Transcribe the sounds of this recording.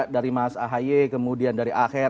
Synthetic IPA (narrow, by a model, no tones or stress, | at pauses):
ʔdaɾimaasaɦajekəmudiandaɾiʔaxɪ